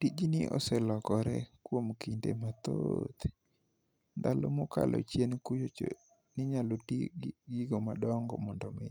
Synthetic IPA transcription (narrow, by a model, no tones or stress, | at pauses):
tid͡ʒinɪʔɔ̰sɛlɔkɔɾɛ̰kwomkindemat̪o̰t̪ | nd̪alomɔka̰lʔɔ̰t͡ʃjenkujot͡ʃo̰ | nɪɲalotiɡɡiɡomadɔŋɡɔ̰mɔndɔme